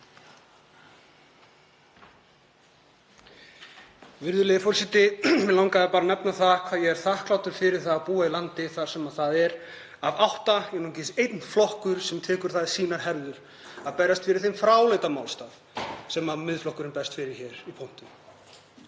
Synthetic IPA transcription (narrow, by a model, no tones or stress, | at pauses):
vɪɾðʏlɛːðɪfɔɾsɛt̪ɪɛlawŋkaðapaːɾanɛpnaθaðkʰvaðjɛɣɛɾ̥θahklawt̪ʏɾ̥fɪɾɪɾ̥θaðapuːailant̪ɪθaɾ̥sɛmaðθaðɛɾ | avawht̪ajɛnuːcɪsejt̪nflɔhkʏɾ̥sɛmt̪ʰɛːkʏɾ̥θaðsiːnaɾ̥hɛɾðʏɾ̥ | aðpɛjɾast̪fɪɾɪɾ̥θejmfɾaːwleːjt̪amaːwlst̪aːθ | sɛmaðmɪðflɔhkʏɾɪnpɛst̪fɪɾɪ̥çɛɾipʰown̥t̪ʏm